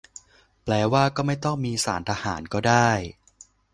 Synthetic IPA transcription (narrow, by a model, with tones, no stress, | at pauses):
plɛː˧waː˥˩kɔː˥˩ma˥˩jt̪ɔ˥˩ŋmiː˧sa̰ː˩˦nt̪ʰaː˧ha̰ː˩˦nkɔː˥˩daː˥˩j